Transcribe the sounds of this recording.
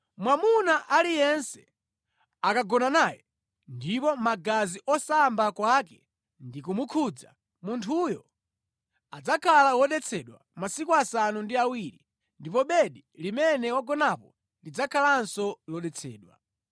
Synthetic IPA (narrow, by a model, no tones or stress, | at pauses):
mwamunaʔalijɛnsɛ | akaɡɔnanaːjɛ | ndipɔmaɡaziʔɔsambakwakɛ | ndikumukʰud͡za̰ | muntʰujɔ | ad͡zakʰalawɔɗɛt͡sʰɛɗwa̰masikuasanundiawiɾi | ndipɔɓɛɗilimɛnɛwaɡɔnapɔ | ndid͡zakʰalansɔlɔɗɛt͡sʰɛ̰ːɗwa̰